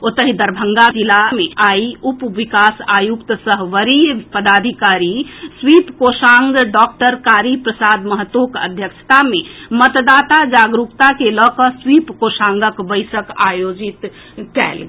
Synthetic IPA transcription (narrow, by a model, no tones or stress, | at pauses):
ot̪əɦid̪əɾbʱəŋɡad͡ʒilameaiupʋikasajukt̪səɦʋəɾijpəd̪ad̪ʱikaɾiswipkosaŋɡɖɔk̚ʈəɾkaɾipɾəsad̪məɦət̪ːokə̰d̪ʱjəkt͡ʃʰə̥t̪amemət̪d̪at̪ad͡ʒaɡɾukt̪akelɔkəswipkosãŋɡəkbəɪsəka̰jod͡ʒit̪ | kɛ̰l